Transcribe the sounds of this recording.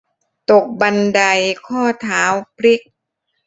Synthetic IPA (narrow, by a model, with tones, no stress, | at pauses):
t̪o˨˩k̚ba˧nda˧jkʰɔː˥˩t̪ʰaː˩˦wpʰɾi˦˥k̚